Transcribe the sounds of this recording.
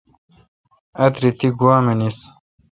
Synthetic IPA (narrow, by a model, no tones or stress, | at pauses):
ɐt̪ɾit̪iɡwaːmenis